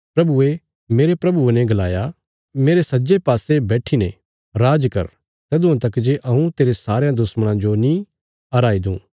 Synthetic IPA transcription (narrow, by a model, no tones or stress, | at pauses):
pɾɐbue | meːɾepɾɐbuenɛ̃ɡɐlaːja | meːɾesɐd͡ʒepaːsebɛːʈʰinẽ | ɾaːd͡ʒkɐ̰ɾ | t̪ɐd̪ʊ̃ãt̪̬ɐkd͡ʒeʔɐũt̪eːɾesaːɾejãd̪ʊsməɽ̃ãd͡ʒonĩ | ɐɾaːid̪ṵ̃ː